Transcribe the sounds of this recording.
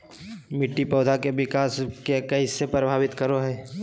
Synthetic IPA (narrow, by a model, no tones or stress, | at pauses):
mɪʈːipɔːd̪ʱakeʋɪkaːskekɐɪsːepɾəbʱaːʋɪt̪kəɾoɦɛː